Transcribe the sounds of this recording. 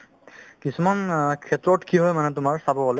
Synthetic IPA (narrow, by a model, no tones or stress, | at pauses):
kisumankʰɛtɹɔtkiɦɔjmanɛtʊmaɹsabɔbɔlɛ